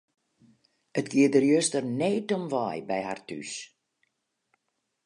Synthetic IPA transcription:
ətɡiədərjøstərnɛːtɔmʋaːjbɛjha̰rty̰s

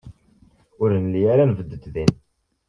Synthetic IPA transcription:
ʊɾənlijaɾanvəd̪ːəd̪ðin

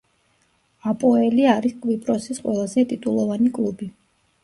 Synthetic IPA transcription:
apʼɔɛliaɾiskʼvipʼɾɔsisqʼwɛlˠazɛt̪ʼit̪ʼulˠɔvanikʼlˠubi

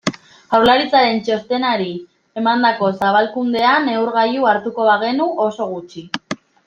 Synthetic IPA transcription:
ɣawɾlaɾit͡saɾe̞nt͡ʃo̞st̪e̞naɾi | e̞mand̪ako̞saβalkund̪e̞ane̞uɾɣajuaɾt̪uko̞βaɣ̞e̞nuʔo̞so̞ɣ̞ut͡ʃi

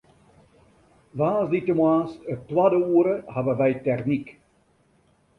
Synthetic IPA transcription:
vaːzditəmwaːsətːwaːdəuːəɾəhavəʋɛjtɛrnik

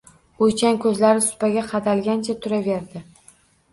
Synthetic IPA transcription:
ojt͡ʃankʰɵzlaɾɪsʊ̥paɡʲaqʰɑd̪alɡʲant͡ʃʰat̪ʰʊɾave̞ɾd̪ɪ

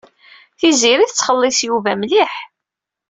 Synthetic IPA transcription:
θiziɾiθət͡sːχəlːɪsjuvæmliħ

